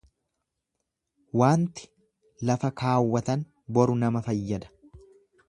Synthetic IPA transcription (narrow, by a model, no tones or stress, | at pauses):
waːnt̪ɪ̥ | lɐfɐkaːwːɐt̪ɐn | bɔɾʊnɐmɐfɐjːɐd̪ɐ̥